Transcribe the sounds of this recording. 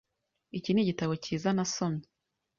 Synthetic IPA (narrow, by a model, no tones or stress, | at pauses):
iciniɟitaβo̞ciːzanasomɲe